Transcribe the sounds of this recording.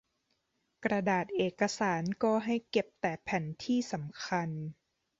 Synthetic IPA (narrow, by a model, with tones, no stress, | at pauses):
kɾa˧daː˨˩t̪̚ʔeː˨˩kːa˧saː˩˦nkɔː˧˩ɦa˥˩jke˨˩p̚t̪ɛː˨˩pʰɛː˨˩˦nt̪ʰiː˥˩sa˩˦mkʰa˧n